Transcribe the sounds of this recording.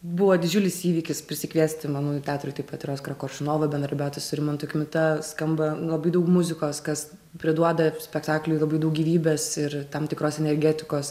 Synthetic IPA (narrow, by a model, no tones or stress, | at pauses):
bʊʋɐːd̪ʲɪd͡ʒʲʊlʲɪsiːʋʲiːkʲɪspʲɾʲɪsʲɪkʋʲiɛsʲt̪ʲɪmɑnuːtʲæːt̪ʊɾʲʊːt̪ɐɪpɐt̪ʲɪɾʲoːskrɐkoːrʃʲɪnoːʋɐbʲɛnd̪ɾɐɾbʲɛʊt̪ʲɪsʊɾʲɪmont̪ʊkʲmʲɪt̪ɐskɐmbɐlˠɐbɐɪd̪ɐʊkmʊzʲɪkoːskɐs | pʲɾʲɪd̪uɔd̪ɐsʲpʲɛkt̪ɑːklʲʊːlˠɐbɐɪdɐʊk̚ɡʲiːʋʲiːbʲeːsɪɾt̪ɐmt̪ʲɪkɾoːsɛnʲɛɾʲɡʲæːt̪ʲɪkoːs